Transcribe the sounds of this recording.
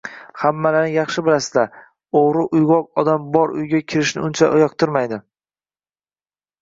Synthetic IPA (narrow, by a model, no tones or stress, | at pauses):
hamːalanɪjɑχʃɪbɪlasɪd̪a | oʁɾɪʔʊjʁɒq̚ɒd̪ambɒɾʊ̰jɡʲakʲʰɪɾɪʃnɪ̰ʊnt͡ʃʰa̰ʔʊjɒqt̪ʰɪɾmajd̪ɪ